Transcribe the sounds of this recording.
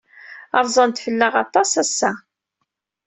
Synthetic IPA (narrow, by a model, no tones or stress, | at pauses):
ɑɾˤzˤɑnt̪fəlːəʁɑt̪ˤɑsæsːæ